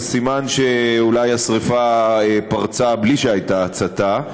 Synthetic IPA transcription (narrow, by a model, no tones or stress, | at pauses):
simanʃeulajasʁifaepaʁt͡sabliʃeajt̪aːt͡sat̪a